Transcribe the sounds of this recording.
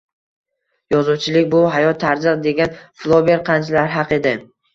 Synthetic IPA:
jɒzuwt͡ʃʰɪlɪkʲbʊɦajɒt̪ʰːaɾd͡ʒɨqd̪e̞ɡʲanflˠobeɾqʰɑnt͡ʃʰlaɾɦɑqe̞d̪ɪ

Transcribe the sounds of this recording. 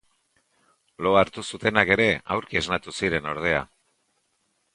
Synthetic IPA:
lo̞aɾt̪usut̪e̞nake̞ɾe̞awɾkieznat̪usiɾe̞no̞ɾð̞e̞a̰

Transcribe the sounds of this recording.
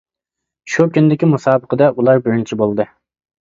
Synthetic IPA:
ʃukʲʰynd̪ɪkʲimusɑːbəqʰəd̪ɑʔulˠɑɾbyɾint͡ʃʰibolˠɨd̪ɨ

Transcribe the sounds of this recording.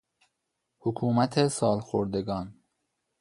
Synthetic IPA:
hokʰuːmæt̪ʰesɒːlxoɾd̪eɡɒːn

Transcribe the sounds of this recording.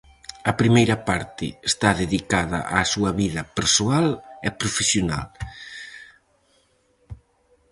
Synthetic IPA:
ɐpɾimejɾɐpaɾt̪ɪ̰est̪aðeðikaðɐ̰ʔaːsuɐβiðɐpeɾsoalɛpɾofesjona̰l

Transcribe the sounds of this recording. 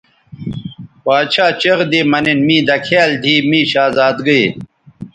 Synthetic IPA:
paːt͡ɕʰaːt͡ɕɐʁd̪imɐninmĩːd̪ɐkʰeːld̪ʱiːmĩːɕaːzaːd̪ɡəj

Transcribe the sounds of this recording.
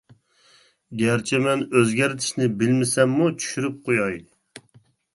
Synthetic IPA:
ɡʲæɾt͡ʃʰɛmɛnøzɡʲæɾt̪ʰɪ̥ʃnɪbɪlmɪsɛmːut͡ʃʰy̥ʃyɾyp̚qʰojɑj

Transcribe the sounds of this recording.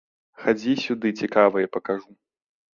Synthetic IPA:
xad͡zʲisʲud̪ɨt͡sʲikavɐjɐpɐkaʐu

